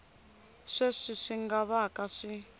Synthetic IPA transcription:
ʂeʂiʂiŋɡaβakaʂi

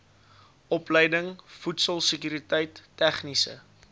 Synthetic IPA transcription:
ʔɔpləjdəŋfutsəlˠsəkyɾitəjtːæχnisə̰

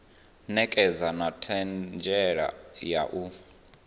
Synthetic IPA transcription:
nɛkʼɛzanatʰɛnd͡ʒʱɛɺa̰jaʔu

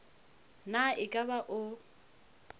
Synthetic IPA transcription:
naɪkʼabaʔʊ

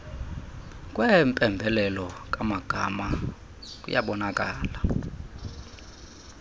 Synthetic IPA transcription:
kʼwɛmpʼɛmbʱɛlɛlɔkʼamaɡ̥ʱa̰ma | kʼṵja̰ɓɔnakʼaːla

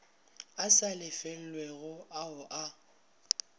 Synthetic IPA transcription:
asalɪfɛl̩lweɣʊʔaʊʔa

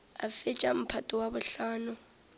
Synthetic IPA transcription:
a̰fɪt͡ʃʼam̩pʰatʼɔwabʊɬaːnʊ

